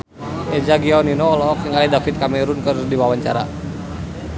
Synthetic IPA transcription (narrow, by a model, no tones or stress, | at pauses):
ɛd͡ʒaɡiawninɔːlɔkiŋalidafit̪̚kamɛɾunkərdiwawaɲt͡ʃa̰ɾa̰